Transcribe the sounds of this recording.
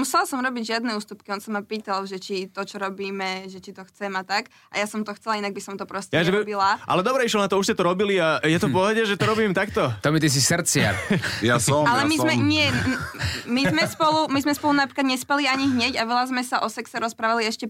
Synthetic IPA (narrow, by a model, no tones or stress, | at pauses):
musɛlasɔmɾɔbiɟʒɪad̪nɛuːst̪upkiɔnsamapiːt̪alʒɛt͡ʃit̪ɔt͡ʃɔɾɔbiːmɛʒɛt͡ʃit̪ɔxt͡sɛmat̪ak | ʔa̰jasɔmt̪ɔxt͡sɛlainaɡ̚bisɔmt̪ɔpɾɔscjaʒɛibilaʔa̰lɛd̪ɔbɾɛiʃlɔnat̪ɔuʃscɛt̪ɔɾɔbiliajɛt̪ɔpɔɦɛɟɛʒɛt̪ɔɾɔbiːmt̪akt̪ɔt̪ɔmit̪is̬isɾt͡sɪa̰ɾjasɔalɛmimɛɲɪɛ | mizmɛspɔlumizmɛspɔlunapɾikad̪ɲɛspɛliaɲiɦɲɛɟaʋɛlazmɛsaʔɔsɛksɛɾɔspɾaːʋaliɛʃcɛ